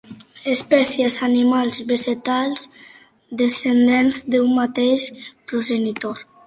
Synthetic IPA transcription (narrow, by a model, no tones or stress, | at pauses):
espɛsjezanimalˠzβeʒet̪alz | d̪esend̪enzd̪eummat̪eʃpɾoʒenit̪oɾ